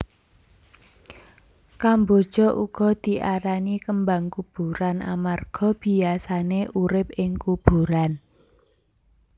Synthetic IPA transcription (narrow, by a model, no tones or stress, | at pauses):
kambod̥ʒ̥ɔʔuɡ̥ɔ̤d̪̥i̤ʔaɾanikəmbaŋkub̥uɾana̰marɡ̥ɔ̤b̥i̤asaneʔuɾɪp̚ɪŋkub̥ṳɾan